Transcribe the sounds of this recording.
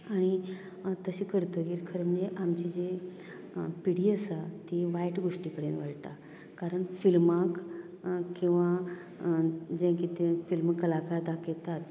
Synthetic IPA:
aɽ̃i | t̪əɕekəɾt̪əkiːɾkʰəɾməneʔamt͡ɕid͡ʑe | piɽiːəsat̪iʋajʈɡoʂʈikəɽenʋəɭt̪a̰ | kaɾəɳfilmak | kːĩw̃ʋa | d͡ʑẽkit̪efilmkəlakaɾd̪akjet̪at̪

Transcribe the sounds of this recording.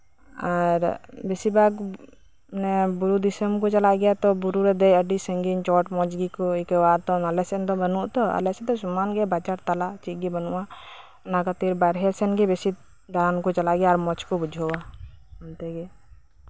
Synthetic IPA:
aɾbesibaɡ | nɛbuɾud̪isəmkɔt͡ʃalaʔɡɛjat̪ɔbuɾuɾɛd̪ɛjəɖisəŋɡint͡ʃɔʈmɔd͡ʒɡikɔikəwat̪ɔmalɛsɛnd̪ɔbənuʔt̪ɔa̰lɛsɛd̪ɔsɔmanɡɛbat͡ʃaɾt̪alaʔt͡ʃiɡɛbənṵʔa | nakat̪iɾbaɾɦɛsɛnɡɛbesi | d̪ankɔt͡ʃalaʔɡɛjaːɾmɔt͡ʃkɔbud͡ʒʱɔwaɔnt̪ɛɡɛ

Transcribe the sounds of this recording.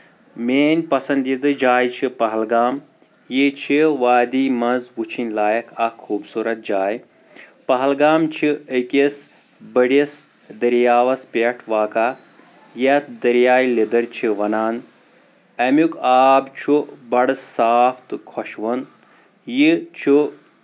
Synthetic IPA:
meːnʲpɐsɐnd̪id̪ɨd͡ʒaːjt͡ʃʰipɐɦɐlɡaːm | jit͡ʃʰiʋaːd̪imɐnzʋut͡ʃʰinʲlaːjɐkʰɐkʰːuːbsuɾɐt̪̚d͡ʒaːj | pɐɦɐlɡaːmt͡ʃʰiəkes | bəɽis | d̪ɐɾjaːʋɐspeʈʰʋaːkaː | jɐt̪d̪ɐɾjaːjlid̪ɐɾt͡ʃʰiʋɐnaːn | ɐmukaːbt͡ʃʰubɐɽsaːpʰt̪kʰɔʃʋɐn | jit͡ʃʰu

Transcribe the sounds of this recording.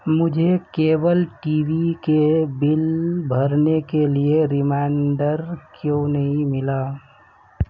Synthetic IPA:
mʊd͡ʒʱekeːbəlʈiːʋikebɪlbʱəɾnekelieɾɪmaːɳɖəɾkjõnəɦĩmɪlaː

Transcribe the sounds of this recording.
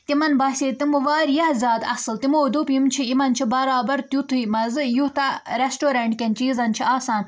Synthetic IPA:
t̪imɐnbaːsʲeːt̪imɨʋaːɾjɐhzʲaːd̪ɐ̰sɨlt̪imoːd̪upjimt͡ʃʰiimɐnt͡ʃʰibɐɾaːbɐɾt̪jut̪ʰɨmɐzɨjut̪ɐɾesʈoːɾɐɳʈkʲent͡ʃiːzɐnt͡ʃʰiaːsãːn

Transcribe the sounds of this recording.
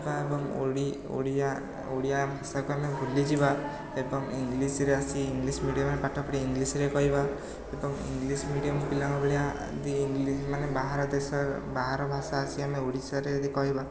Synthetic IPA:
baebɔŋo̰ɽi | o̰ɽia | oɽijabʱasakuamebʱulid͡ʒiba | ebɔŋiŋɡlisɾeasiːŋɡlismiɽijɔmnepaʈʰɔpɔʈiːŋɡlisɾekɔɦiba | ebɔŋḭŋɡlismiɽijɔmpilaŋɔbʱeɽia | d̪iːŋɡlismanebaɦaɾɔd̪esɔbaɦaɾɔbʱasaːsiameoɽisaɾed̪ikɔɦiba

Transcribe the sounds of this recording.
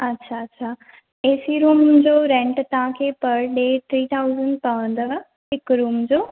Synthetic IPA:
ɐtːɕʰaɐtːɕʰa | eːsiɾuːmd͡ʑoːɾɛ̃ɳʈt̪ɐʋ̤ãkʰepɐɾɗeːt̪ʰɾiːt̪ʰaːʊzəɳɖpəə̃nd̪ə | ɪkɾuːmd͡ʑoː

